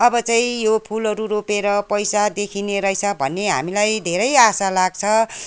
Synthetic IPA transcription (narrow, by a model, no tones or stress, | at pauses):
ʌbʌt͡saĩjopʰulʌɾuɾopeɾʌpʌjsad̪ekʰineɾʌjt͡sʰʌbʱʌnːeɦa̰milajd̪ʱeɾʌjasalaɡt͡sʰʌ